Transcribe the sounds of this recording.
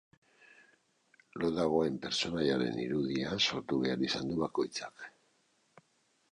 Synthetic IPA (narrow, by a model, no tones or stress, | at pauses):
lo̞ðaɣ̞o̞e̞mpe̞ɾt͡so̞naʎaɾe̞̰nḭɾuðianso̞ɾt̪uβe̞aɾisand̪uβako̞jt͡sḁk